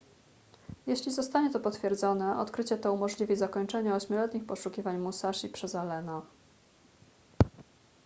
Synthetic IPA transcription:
jeɕlʲizɔst̪aɲɛt̪ɔpɔt̪fʲjɛɾd̪zɔnɛʔɔ̰t̪kɾɘt͡ɕɛt̪ɔumɔʐlʲivʲizakɔɲt͡ʂɛɲɛɔɕmʲɔlɛt̪ɲixpɔʂukʲivaɲmusaʂipʂɛzalɛna

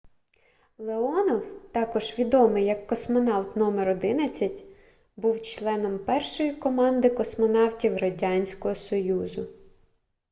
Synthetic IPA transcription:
lˠeɔnɔwt̪ɑkɔʒʋʲid̪ɔmɪjɐkːɔsmɔnɑwt̪nɔmɛɾɔd̪ɪnɐt͡sʲːɐtʲ | buwt͡ʃlˠɛnɔmpɛrʃɔjikɔmɑnd̪ɪkɔsmɔnɑwtʲiwrɐdʲɑnʲsʲkɔɦɔsɔjuzʊ

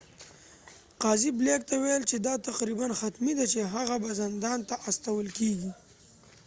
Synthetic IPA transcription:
qɑziblek̚t̪awajəlt͡ʃed̪ɑt̪aqɾibanxat̪mid̪at͡ʃeɦaɣabazɪnd̪ɑnt̪aʔast̪awəlkeɡi

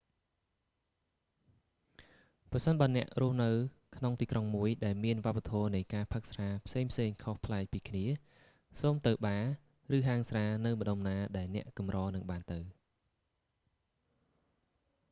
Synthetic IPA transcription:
prɑsənɓaːnɛ̆əʔrŭəhnɨw | kʰnoŋt̪iːkroŋmuəjɗaɛlmiənʋŏəpːat̪ʰɔːnɨjkaːpʰək̚sraːpʰseːŋpʰseːŋkʰohpʰlaɛk̚piːkʰniə | soːmt̪ɨwɓaː | rɨːɦaːŋsraːnɨwmə̆ɗomnaːɗaɛlnɛ̆əʔkɑmrɑːnɨŋɓaːnt̪ɨw

